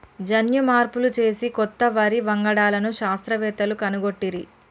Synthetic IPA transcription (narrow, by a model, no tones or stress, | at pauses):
d͡ʒɐnjumaːɾpulut͡ʃe̞ːsikɔt̪ːɐʋɐɾiʋɐŋɡɐɽaːlɐnuʃaːst̪ɾɐʋɛːt̪ɐlukɐnuɡoʈːiɾi